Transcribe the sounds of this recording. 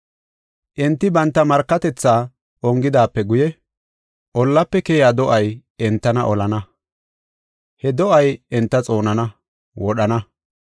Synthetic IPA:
ʔɛnt̪ːɪbɐnt̪ːɐmɐɾkːɐt̪ɛt͡sːaː | ʔɔŋɡɪd̪aːpːɛɡʊjɛ | ʔɔlːɐpːɛkeːjaːd̪ɔʔɐjɛnt̪ːɐnɐʔɔlɐnɐ | hɛd̪ɔʔɐjɛnt̪ːɐt͡sʼo̞ːnɐnɐ | wɔɗɐnɐ

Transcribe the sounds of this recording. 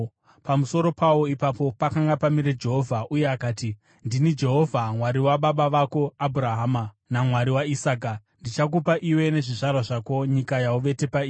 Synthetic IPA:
pamuso̞ɾo̞pawo̞ipapo̞pakaŋɡapamiɾe̞d͡ʒe̞ɦo̞vʱaʔuje̞akaːti | ndinid͡ʒe̞ɦo̞vʱamwaɾiwaɓaɓaʋako̞abʱuɾaɦaːma | namwaɾiwaisaːk̬andit͡ʃak̬upaʔiwe̞ne̞ʐiʐarwaʐako̞ɲikajauʋe̞te̞paiː

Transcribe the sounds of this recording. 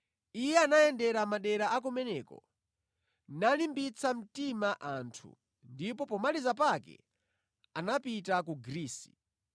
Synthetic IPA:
ijɛanaɛndɛɾamaɗɛɾaʔak̬umɛnɛːkɔ̰ | nalimbit͡sʰam̩timaʔantʰṵ | ndipɔpɔmalizap̬akɛ̰ | anapitak̬uɡɾiːsi̥̰

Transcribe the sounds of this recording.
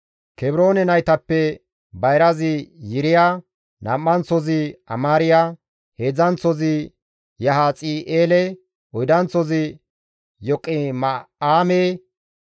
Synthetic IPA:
kɛbɪɾoːnɛnɐjt̪ɐpːɛ | bɐjɾɐzɪjɪɾɪjaː | nɐ̰mːɐnt͡sɔzɪɐ̰maːɾɪja | he̞ːd͡zɐnt͡sɔzɪ | jɐɦaːt͡sʼiːʔeːlɛ | ɔjd̪ɐnt͡sɔzɪ | jɔkʼːɪmaːmeː

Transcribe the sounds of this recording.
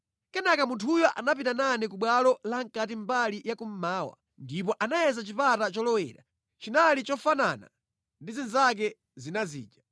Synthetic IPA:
kɛnakamuntʰujɔʔanapitananɛkuɓwalɔlaŋ̩kat̬im̩balijakum̩maːwa̰ | ndip̬ɔʔanajɛzat͡ʃipatat͡ʃɔlɔwɛ̰ːɾa̰ | t͡ʃinalit͡ʃɔfana̰na̰ | ndizinzak̬ɛ | zinazḭːd͡ʒa

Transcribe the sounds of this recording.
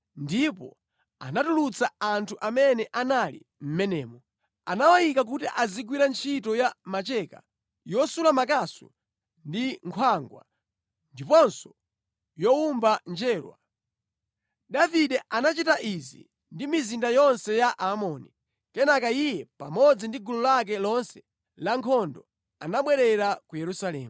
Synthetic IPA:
ndipɔ̰ | a̰natulut͡saantʰuʔamɛnɛʔanalḭ | m̩mɛnɛːmɔ | anawajikak̬utiʔazikwiɾant͡ʃʰitɔjamat͡ʃɛka̰ | jɔsulamakasṵ | ndiŋkʰwaŋɡwa̰ | ndipɔnsɔ̥ | jɔumband͡ʒɛːlwa̰ | daviɗɛʔanat͡ʃitaʔizḭ | ndimizindajɔnsɛjaʔamɔːni | kɛnakaijɛpamɔd͡zindiɡulɔlak̬ɛlɔnsɛ̥ | laŋkʰɔndɔ | anaɓwɛɾɛɾakujɛɾusalɛːmu

